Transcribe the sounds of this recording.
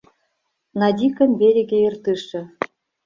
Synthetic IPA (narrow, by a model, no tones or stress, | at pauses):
nɑd̪ʲikɤ̆mʲbʲeɾʲĕɡʲĕjɤ̆rt̪ɯʂɘ̆